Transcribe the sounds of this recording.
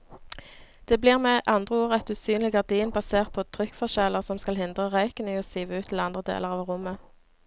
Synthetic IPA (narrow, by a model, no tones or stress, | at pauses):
d̪̥eːbliːʁmeːʔɑnd̪ʁəuːʁəɛt̪ʉːsyːnlɪɡɑʁd̪iːnbɑseːʁt̪̚pʰoːt̪ʰʁʏkfɔʁʃɛləʁsɔmskɑlhɪnd̪ʁəʁœʏkəniːoːsiːʋəʉːt̪ʰl̩ɑnd̪ʁəd̪ḛːləʁɑːʋʁʊmə